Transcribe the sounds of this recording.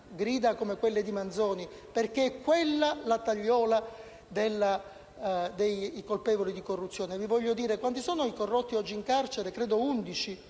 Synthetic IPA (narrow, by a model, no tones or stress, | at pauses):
ɡɾiːd̪akomekwelːed̪imand̪zɔːni | perk̟eɛkːwelːalat̪aʎːɔːla | d̪elːa | d̪ejkolpɛːvolid̪ikorːut̪sːjoːnevivɔʎːod̪iːɾekwant̪isɔːnoikorːɔt̪ːiɔd͡ʒːiːŋkart͡ʃeɾekɾɛːd̪ound̪it͡ʃi